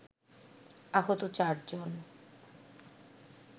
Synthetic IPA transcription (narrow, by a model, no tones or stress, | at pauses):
aɦot̪ot͡ɕaɾd͡ʑon